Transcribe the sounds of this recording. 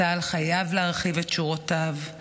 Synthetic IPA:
alχajavleaʁχivetʃuʁotav

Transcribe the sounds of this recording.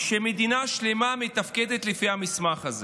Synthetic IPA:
ʃemed̪inaʃlemamet̪afked̪et̪lifihamismaχaze

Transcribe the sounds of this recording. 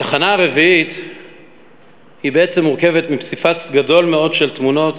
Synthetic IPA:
t̪aχanaaʁe̞viit̪ | hibeet͡se̞muʁke̞vet̪mipsifat̪ɡado̞lmeo̞dʃe̞lt̪muno̞t̪

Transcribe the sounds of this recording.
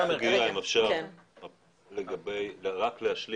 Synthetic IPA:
ameɡiʁaimafʃa | leɡabejʁakleaʃli

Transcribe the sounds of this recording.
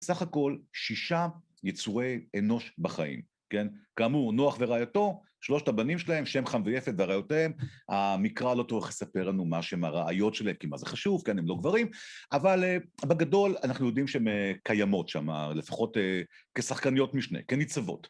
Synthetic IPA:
saχako̞lʃiʃa | jet͡suʁe̞jeno̞ʃbaχaʔḭm | ke̞nkaːmunoaχveʁaːjoto̞ | ʃlo̞ʃtabanimʃelahe̞mʃe̞mχanvojefetveaʁajotemhamikʁalo̞t͡soʁeχlesape̞ʁlanumaʃeemaʁaajo̞tʃelaemkima̰zeχaʃuv̥kenemlo̞ɡvaʁimavalebeɡado̞lanaχnujo̞dimʃeemekajamo̞tʃa̰ma̰lefḁχo̞te | ke̞saχkanijo̞tmiʃnḛkenit͡savo̞̰t

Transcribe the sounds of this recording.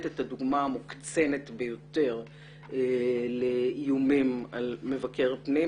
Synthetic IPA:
tetad̪uɡmaːmukt͡se̞netbejo̞te̞ʁ | eleijumimalme̞vake̞ʁpni

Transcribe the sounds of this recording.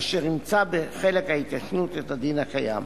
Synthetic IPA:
ʃeʁnimt͡sabeχe̞lekhaitaʃnutethadinakaja̰m

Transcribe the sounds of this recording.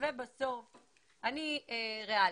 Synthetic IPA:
vebaso̞f | anieʁea

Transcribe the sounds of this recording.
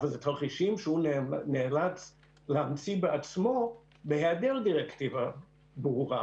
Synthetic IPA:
valzet̪ʰaχiʃimʃehunnelat͡s | leamt͡sibeʔat͡smo̞ | behead̪eʁdiʁekt̪iva | bʁuʁa

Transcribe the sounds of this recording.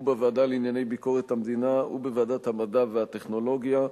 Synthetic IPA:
baveːdalinjane̞jbiko̞ʁet̪hamd̪inaubeveːd̪at̪hamadaveat̪eχno̞lo̞ɡja

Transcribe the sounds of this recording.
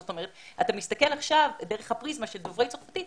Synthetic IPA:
zot̪o̞meʁetat̪amist̪ake̞laχʃavdeʁ̞eχhapʁizmaʃeldovʁejt͡soχfatit

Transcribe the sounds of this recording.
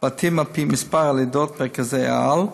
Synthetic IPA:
b̥at̪ʰɪmapiːmɪspaɾaledot̪̚mɛkazea̰al

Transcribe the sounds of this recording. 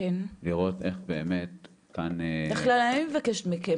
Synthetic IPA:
enliʁo̞t̪eχbeːmet̪ | kanbeχlalanimevakeʃt̪mike

